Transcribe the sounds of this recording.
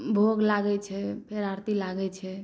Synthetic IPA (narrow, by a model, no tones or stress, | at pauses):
bʱoɡlaɡɛt͡ʃʰɛpʰeɾaɾt̪ilaɡɛt͡ʃʰɛ